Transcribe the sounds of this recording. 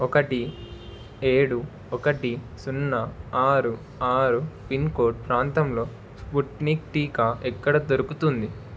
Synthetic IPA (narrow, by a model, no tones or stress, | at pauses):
ɔkɐʈi | eːɽu | ɔkɐʈi | sunːɐaːɾu | aːɾupinkoːʈ̚pɾaːnt̪ɐmlo̞ː | spuʈnikʈiːkaɛkːɐɽɐt̪oɾukut̪und̪i